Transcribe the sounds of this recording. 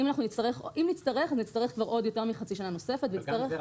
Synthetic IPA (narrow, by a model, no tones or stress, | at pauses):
imanaχnunistaʁe̞χʔimnit͡staʁe̞χaznit͡staʁe̞χkvaʁʔo̞djo̞te̞ʁmiχat͡siʃanano̞se̞fet̪veit͡staʁe